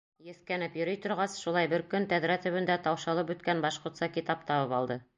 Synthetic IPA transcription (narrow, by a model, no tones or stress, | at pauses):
jɵ̆θkænɘpjɵ̆ɾɵjt̪ŏɾʁɑsʃulˠɑjbɘɾkɵnt̪æðɾæt̪ɵ̆βɘ̆nd̪æt̪ɑwʃɑlˠɤpʉt̪kænbɑʃqŏɾt̪sɑkit̪ɑp̚t̪ɑβɤpɑlˠd̪ɤ